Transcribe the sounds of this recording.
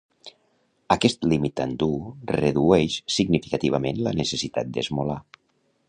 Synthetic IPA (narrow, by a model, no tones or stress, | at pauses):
əkɛst̪limit̪and̪urəðuɛʃsiɡnifikət̪iβ̞əmenlənəsəsit̪a̰t̪̚d̪ə̰zmola